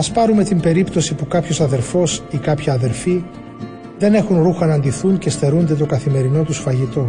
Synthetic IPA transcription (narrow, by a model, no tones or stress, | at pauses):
ɐspɐɾume̞t̪imbe̞ɾipt̪o̞sipukɐpço̞sɐðe̞ɾfo̞sikɐpçɐːðe̞ɾfi | ðe̞ne̞xunɾuxɐnɐnd̪iθuɲce̞st̪e̞ɾund̪e̞t̪o̞kɐθime̞ɾino̞t̪usfɐʝit̪o̞